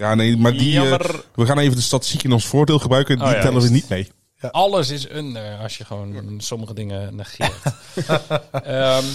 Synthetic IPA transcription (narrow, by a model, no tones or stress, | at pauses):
jaːnejmaɹdiʋəχaːnejvəndəstatɪstikɪnɔnsfʊːɹdeːlˠχəbrœɥkənitɛləʋənitmej | ɑləsɪsønəɹɔsjəχəʋownsɔməɣədɪŋənaxɪ | ə